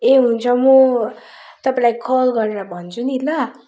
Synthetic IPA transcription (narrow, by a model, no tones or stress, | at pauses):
eɦunt͡sʰʌmu | t̪ʌpãlajkʰʌlɡʌɾeɾabʱʌnt͡sʰunilʌ